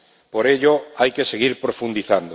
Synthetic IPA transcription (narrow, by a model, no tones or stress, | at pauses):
poɾeʎoajkeseɣ̞iɾpɾofund̪iθand̪o